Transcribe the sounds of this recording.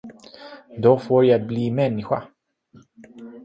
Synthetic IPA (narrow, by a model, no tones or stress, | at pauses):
d̪ɔfoːɾjabliːmɛnːɪɧa̰